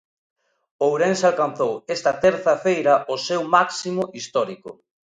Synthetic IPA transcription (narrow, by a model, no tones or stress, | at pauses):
owɾensalkan̟θowest̪ɐt̪eɾθɐfejɾɐʔosewmaksimʊʔist̪ɔɾikʊ